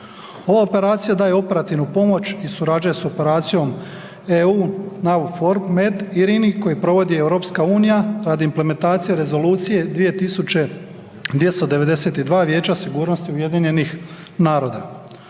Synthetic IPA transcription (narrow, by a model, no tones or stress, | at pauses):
o̞ʋaope̞ɾaːt̪sijad̪aːje̞o̞pe̞ɾat̪iʋnupo̞mo̞t͡ʃisuɾad͡ʒujeso̞pe̞ɾaːt̪sijo̞m | euːnawfo̞ɾpmed̪iɾiniko̞jipɾo̞ʋo̞d̪iewɾo̞ːpskauːnijaɾad̪iimple̞ment̪aːt̪sijeɾe̞zo̞luːt̪sije̞d̪ʋije̞t̪isut͡ʃe̞ | d̪ʋjest̪od̪e̞ʋe̞d̪e̞se̞t̪id̪ʋaːʋje̞ːt͡ʃasiɡuːɾno̞st̪iuje̞d̪iɲe̞nix | naːɾo̞ːd̪a